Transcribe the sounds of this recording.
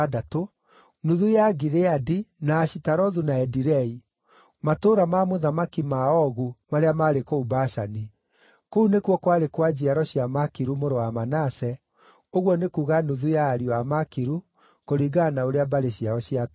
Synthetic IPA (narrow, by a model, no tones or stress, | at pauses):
adato | nuðujaɡiɾeadinaːɕitaɾɔðunaɛdiɾɛi | matoːɾamamoðamakimaɔɣumaɾeamaːɾekoubaʃani | kounekuwɔkwaɾekwad͡ʑiaɾɔɕiamakiɾumoɾowamanasɛ | oɣwɔnekuːɣanuðujaːɾiwamakiɾu | koɾiɡanaoɾeabaɾeɕiaɔɕiat